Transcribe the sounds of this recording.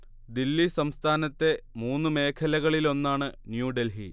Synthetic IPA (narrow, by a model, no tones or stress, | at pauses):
d̪ilːisɐmst̪ʰaːnɐt̪ːe̞muːnːɨme̞ːkʰɐlɐɣɐɭilo̞nːaːɳɨnjuːɖelɦḭ